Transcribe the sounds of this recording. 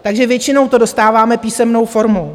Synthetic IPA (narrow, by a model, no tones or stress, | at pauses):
t̪aɡʒɛvjɛt͡ʃɪno̞wt̪o̞do̞st̪aːvaːmɛpiːsɛmno̞wfo̞ɾmow